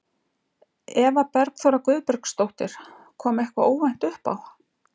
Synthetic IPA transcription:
ɛvapɛɾkθowɾakʏːðpɛɾkst̪owht̪ɪɾ̥ | kʰɔːmɛhkvaoːwvajn̥t̪ʏhpa̰w

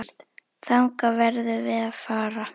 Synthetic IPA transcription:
t̪ | θawŋkavɛɾðʏvɪðaðfaːɾa

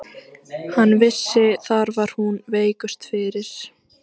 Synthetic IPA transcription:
hanːvɪsːɪθaɾvaɾ̥hunveːjkʏst̪fɪɾɪɾ̥

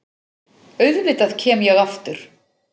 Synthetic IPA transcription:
œɥðvɪːt̪aðcʰɛːmjɛɣaft̪ʏɾ̥

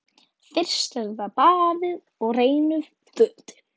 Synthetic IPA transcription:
fɪr̥st̪ɛɾðapaːðɪð | ɔɣreːjnʏð | θʏt̪

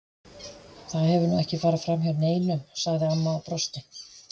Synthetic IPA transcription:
θaðhɛvʏɾnuɛhcɪfaːɾɪfɾamçawɾneːjnʏmsaɣðɪanːapɾɔst̪ɪ

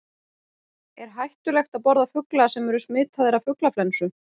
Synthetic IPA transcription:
ɛɾ̥ɦajht̪ʏlɛxt̪aðpɔɾðafʏklasɛmɛɾʏsmɪːt̪ʰaðɪɾavfʏklaflɛnsʏ

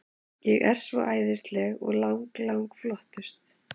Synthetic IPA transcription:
jɛɣɛɾ̥svɔ̰ʔaːjðɪst̪lɛɣɔɣlawŋklawŋkflɔht̪ʏst̪

